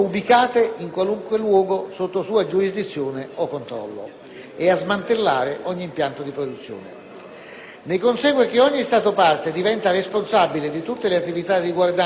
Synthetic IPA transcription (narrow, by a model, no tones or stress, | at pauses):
ubikaːt̪eiŋkwaluŋkwelwɔːɡosot̪ːosuːad͡ʒuɾizd̪it̪sːjoːneokːont̪ɾɔ̰lːo̰ | eazmant̪elːaːɾeʔɔɲːiːmpjant̪od̪ipɾod̪ut̪sːjo̰ːnḛ | nekonsɛːɡwek̟eɔɲːist̪aːt̪opart̪ed̪ivɛnt̪aresponsabiled̪it̪ut̪ːeleat̪ːivit̪ad̪iɡward̪a